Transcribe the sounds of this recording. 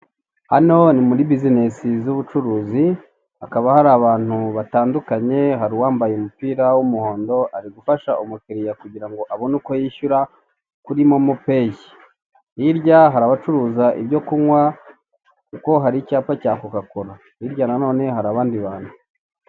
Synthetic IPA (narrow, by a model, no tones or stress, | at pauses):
hano̞nimuɾibizine̞sizuβut͡ʃuɾuːzi | akaβahaɾaːβaːn̥huβataːndukaɲe̞ɦaɾiwaːmbajeumupiːɾawumuho̞ːndo̞aɾiɡufaʃaʔumukeɾijakuɟiɾaŋɡo̞ʔaβonuko̞jiçuɾa | kuɾimo̞mupe̞ːji | iɾɟaɦaɾaβat͡ʃuɾuːzaʔḭβɟo̞kuŋwa | kuko̞ɦaɾicaːpacaːkukakoɾa | iɾjanano̞ːne̞haɾaːβaːndiβaːn̥hu